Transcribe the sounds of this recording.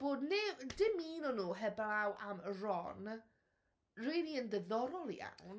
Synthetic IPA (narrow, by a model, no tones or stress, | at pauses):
b̥oːdnedɪmiːnɔnuːɦɛblˠawʔamərɔn | riniəndəðɔɾɔlˠḭa̰wn